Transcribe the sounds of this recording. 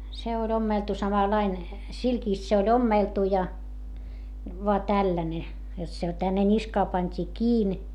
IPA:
se olʲ omːeltu sɑmɑlɑin silkiˑst se olʲ omːeˑltu jɑ ʋoɑ tælːæne jot se tænːe nʲiskɑː pɑnʲtʲiː kiːn

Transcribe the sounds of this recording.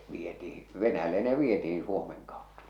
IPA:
ʋietihi ʋenæjælːe ne ʋietihĩː suomeŋ kɑotːɑ̥

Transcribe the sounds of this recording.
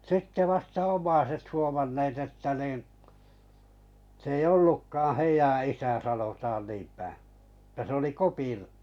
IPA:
sitːe ʋɑstɑ omˑɑiset huomɑnːeːt etːæ niˑn̞ s ei olːukːɑːɑ̃̆ heijæ isæ sɑnotɑːn niːmpæˑ etːæ se oli kopir

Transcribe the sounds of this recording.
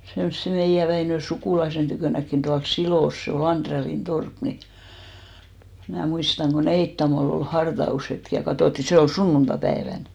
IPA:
semsːe meijæ ʋæinø sukuˑlɑisen tykøˑnækːin d̥uɑls siloˑs se ol ɑndrelːin torp ni mnæˑ muistɑŋ ko neitːɑmol ol hɑrtɑushetk jɑ kɑtoˑtːi se ol sunːuntɑpæeʋæn

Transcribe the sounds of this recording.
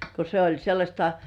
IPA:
ko se olʲ selːɑsʲtɑ

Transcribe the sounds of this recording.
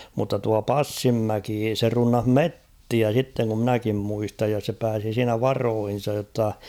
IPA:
mutːɑ tuɑ pɑsːimːæki se runːɑh metːiæ sitːeŋ kum mĭnækim muistɑj jɑ se pæːsi siːnæ ʋɑroːhin̞sɑj jotːɑ

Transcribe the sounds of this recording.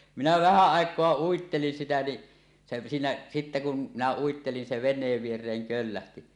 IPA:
minæ ʋæhæ ɑˑekˑoɑ uitːelin sitæ ni se siːnæ sitːe kun minæ uitːelin se ʋenˑeːʋ ʋierˑeːŋ kølːæhti

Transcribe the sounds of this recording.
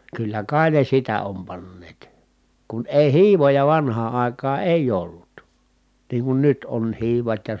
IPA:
kylːæ kɑi ne sitæ om pɑnːeːt kun eˑi hiːʋojɑ ʋɑnhɑː ɑˑi̯kɑː eˑij olːut niːŋ kun nyt on hiːʋɑt jɑ

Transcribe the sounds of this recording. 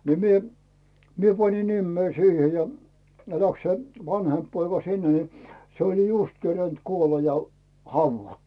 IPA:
ni mie mie pɑni nimːei siːhe jɑ ne læks se ʋɑnhemp poikɑ sinːe ni se olʲ just kerent kuolɑ jɑ hɑuʋːɑtːu̥

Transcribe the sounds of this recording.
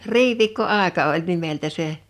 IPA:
riʋiːkːoɑˑekɑ olʲ nimeltæ se

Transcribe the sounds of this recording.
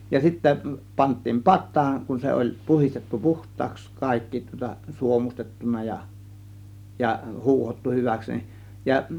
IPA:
jɑ sitːæ pɑntˑiːm pɑtˑɑːn kun se olʲ puhistetːu puhtˑɑːks kɑˑikːi tŭŏtɑ suomustetːunɑ jɑ jɑ huːhotːu hyʋæks ni jɑ

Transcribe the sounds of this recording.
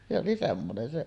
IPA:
se oli semːonen se

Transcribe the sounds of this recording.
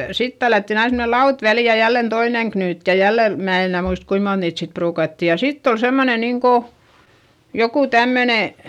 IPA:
sit tælːætːin ɑin semne lɑut ʋæli jɑ jælːen toineŋ knyːt jɑ jælːe mæː en enæˑ muist kuim mont niːt sit pruːkɑtːi jɑ sitː ol semːone niŋko joku tæmːøne

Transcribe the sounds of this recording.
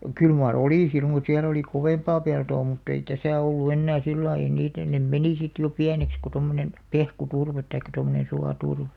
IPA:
kyl mɑr oliˑ sil mut siæl oli koʋeˑmpɑː peltoː mutː ei tæsæˑ olːu enːæː silːɑij̆ ei niːtæ nem meniˑ sit jo piæneks ku tomːonen pehkuturʋet tɑikːɑ tomːonen suɑturʋe̥

